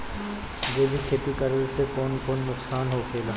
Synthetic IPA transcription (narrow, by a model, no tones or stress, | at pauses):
d͡ʒeːbʱikʰeːt̪ikəɾəlsekɔːnkɔːnːʊksaːnɦokʰeːlaː